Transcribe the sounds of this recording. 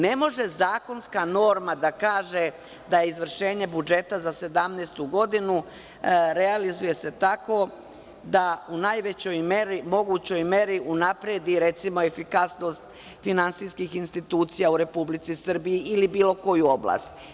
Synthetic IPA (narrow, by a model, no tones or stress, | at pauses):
ne̞mo̞ʒe̞zaːko̞nskano̞ːɾmad̪akaːʒe | d̪ajeizʋr̩ʃe̞ːɲe̞bud͡ʒe̞t̪azase̞d̪amneːst̪uɡo̞d̪inu | ɾealizuje̞se̞t̪ako̞ | d̪aunajʋet͡ɕo̞jmeɾimo̞ɡut͡ɕo̞jme̞ɾiʔunapɾed̪iɾe̞t̪simo̞efikasno̞st̪ | finantsiskixinst̪it̪uːt̪sijauɾe̞publit̪sisr̩bijiʔilibiːlˠo̞ko̞juo̞blˠa̰st̪